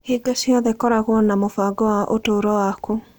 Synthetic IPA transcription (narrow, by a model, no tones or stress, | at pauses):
hiːɡasjɔðɛkɔɾaɣwɔnamofaɡɔwaʔotoɾɔwaku